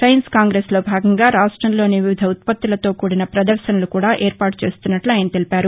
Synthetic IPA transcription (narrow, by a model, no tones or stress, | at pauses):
sɐjɐnskaːŋɡɾeːslo̞ːbʱaːɡɐŋɡaːɾaːʂʈɾɐmloːniʋiʋid̪ʱɐut̪̚pɐt̪ːulɐt̪o̞ːkuːɽinɐpɾɐd̪ɐɾʃɐnɐlukuːɽaːʔeːɾpaːʈu̥t͡ʃe̞ːst̪unːɐʈluaːjɐnɐt̪elipaːɾu